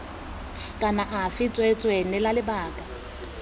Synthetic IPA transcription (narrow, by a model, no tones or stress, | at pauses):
kʼanaʔafɪt͡sʼwɛt͡sʼwenɛlalɪbaːkʼa